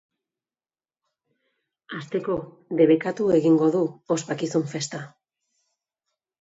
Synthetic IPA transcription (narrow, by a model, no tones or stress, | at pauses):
ast̪e̞ko̞ | de̞βekat̪ue̞ɣiŋɡo̞ðuospakisuɱfe̞st̪a